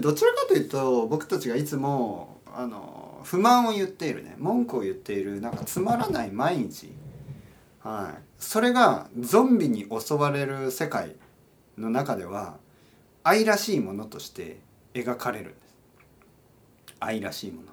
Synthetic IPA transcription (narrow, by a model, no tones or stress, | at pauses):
d̪o̞t͡ɕiɾakat̪o̞jɯ̟ːt̪o̞bo̞kɯ̥t̪at͡ɕiɡait͡sɨmo̞ | a̰no̰ɸɯ̟mãɰ̃ojɯ̟t̪ːe̞iɾɯ̟̰nḛmõ̞ŋkɯo̞jɯ̟t̪ːe̞iɾɯ̟nãŋkat͡sɨmaɾanaimaiɲ̟it͡ɕḭ | haḭ | so̞ɾe̞ɡad͡zõ̞mbʲiɲ̟iʔo̞so̞βaɾe̞ɾɯ̟se̞kaḭ | no̞nakad̪e̞β̞a̰ | aiɾaɕiːmo̞no̞t̪o̞ɕi̥t̪e̞̰ | eɡakaɾe̞ɾɯ̟̰̃nd̪̥esɨ̥ | aiɾa̰ɕiːmo̞no